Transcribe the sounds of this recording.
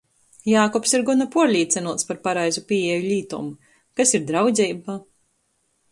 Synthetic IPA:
jaːkɔpsiɾɡunapuɔɾlʲiːt̪sʲɛnuɔt̪spaɾpaɾajzupiːɛjuʎʲiːt̪ṵmu | kasiɾd̪ɾawd̪zʲɛjbaː

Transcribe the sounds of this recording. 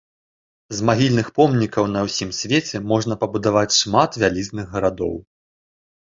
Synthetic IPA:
zmaɦʲilʲnɨxpɔmnʲikɐwn̪ɐwsʲimsʲvʲet͡sʲɛmɔʐnɐpɐbud̪avat͡sʲʂmat̪vʲalʲiznɨɣːɐɾad̪ɔ̰w

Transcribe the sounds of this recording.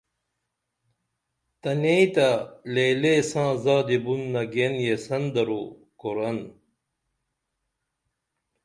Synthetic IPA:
t̪ɐneit̪ɐlelesãːzaːd̪ibunːɐɡenjesɐnd̪ɐɾo | koɾɐn

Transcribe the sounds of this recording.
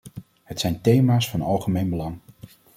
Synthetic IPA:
hətsɛjntejmaːsfɑnɑ̰lˠχəmejnbəlɑŋ

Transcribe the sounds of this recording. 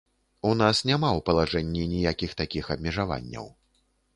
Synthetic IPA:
unasnʲamawpɐlˠaʐɛnʲːinʲijakʲixt̪akʲixɐbmʲɛʐava̰nʲːɐ̰w

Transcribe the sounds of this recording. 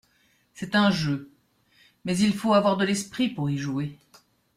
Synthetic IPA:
sɛt̪ɛ̃ʒø | mɛzilfoavwaʁd̪əlɛspχipuʁiʒue

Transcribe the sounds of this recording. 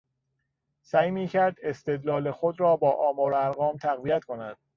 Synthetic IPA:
sæːjmiːcʰæɾd̪e̞st̪e̞d̪lɒːlexod̪ɾɒːbɒːʔɒːmɒːɾæɾɣɒːmt̪ʰæɣvijæt̪kʰo̞næ̰d̪̥̚

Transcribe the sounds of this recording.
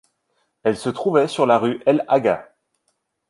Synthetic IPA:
ɛlsət̪χuvɛsyʁlaʁyʔɛlaɡa

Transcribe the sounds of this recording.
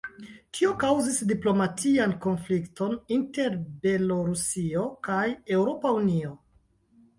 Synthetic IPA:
tʰio̞kawzisdiplo̞matʰianko̞nflikto̞ninte̞ɾbe̞lo̞ɾusio̞kaje̞wɾo̞paunio̞

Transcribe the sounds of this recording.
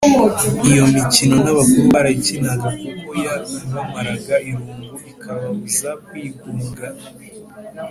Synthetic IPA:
ijo̞micino̞naβakumaɾaicinaɡakuβujaiβamaɾaɡaʔiɾuːŋɡuikʰaβaβuzakwiːɡuːŋɡa

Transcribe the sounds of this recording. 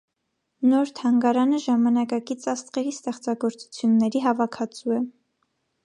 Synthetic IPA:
nɔɾt̪ʰɑŋɡɑɾɑnəʒɑmɑnɑkɑkit͡sʰɑst̪χɛɾist̪ɛχt͡sɑɡɔɾt͡su̥t͡sʰjunːɛɾiɦɑvɑkʰɑt͡suɛ

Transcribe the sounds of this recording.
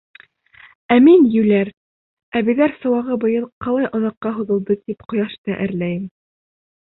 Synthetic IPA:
æminjɘ̆wlæɾ | æβiðæɾsɤ̆wɑʁɤbŏjɤlˠqɑlˠɑjʔŏnɤ̆qːɑɦuðɤ̆lˠd̪ɤt̪ipqŏjɑʃt̪ɤʔæ̰̆ɾlæjɘm

